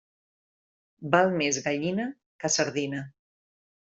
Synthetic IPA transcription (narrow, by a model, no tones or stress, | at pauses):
balˠmezɣaʎinə | kəsəɾðinə